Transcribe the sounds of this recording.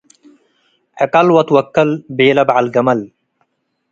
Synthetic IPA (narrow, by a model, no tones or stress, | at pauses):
ʔɐkɐlwɐt̪wɐkːɐlbeːlɐbʕalɡɐmɐl